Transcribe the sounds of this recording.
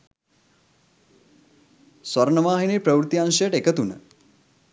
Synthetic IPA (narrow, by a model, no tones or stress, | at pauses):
sʋɐɾɳəʋaːɦineːpɾəʋɾut̪iaŋʃəjəʈekət̪unə̰